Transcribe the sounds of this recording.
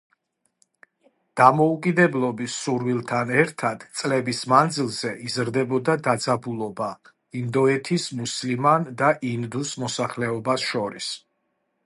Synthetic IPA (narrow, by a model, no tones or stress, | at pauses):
d̪̥amɔukʼid̪ɛblˠɔbisuɾwilˠt̪ʰanɛɾt̪ʰad̪̥t̪sʼlɛbismand̪zilˠzɛʔizɾd̪ɛbɔd̪ad̪ad̪zabulˠɔba | ind̪ɔɛt̪ʰismuslimand̪aʔind̪usmɔsaχlɛɔbasʃɔɾis